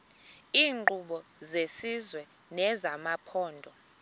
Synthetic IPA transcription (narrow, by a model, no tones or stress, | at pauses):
iːŋ͡ǃuɓɔzesizwɛ | nɛzamapʰɔːndʱɔ